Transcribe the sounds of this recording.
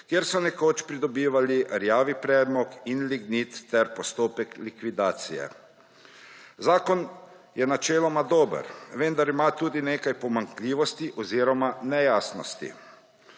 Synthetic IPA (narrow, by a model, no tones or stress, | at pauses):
kjeɾsɔnɛkoːt͡ʃpɾid̪ɔbiːʋaliɾjaːʋipɾɛːd̪mɔkinliɡnit̪ːɛɾpɔst̪oːpɛklikʋid̪aːt̪sijɛ̰ | zaːkɔn | jɛnat͡ʃɛːlɔmad̪oːbə̰ɾʋɛnd̪aɾimaːt̪uːd̪ineːkajpɔmaŋkliːʋɔst̪iʔɔziːɾɔmanɛjaːsnɔ̰st̪ḭ